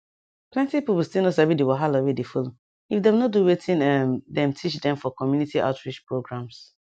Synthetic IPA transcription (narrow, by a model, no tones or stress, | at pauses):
plɛ̃ntipipustinosabidewɔɦalowedefolo | ifdɛmnoduwetʰĩnɛmdɛ̃mtʰit͡ʃdɛ̃mfɔkɔmjunitiʔa̰ʊtɹit͡ʃpɹoɡɹãms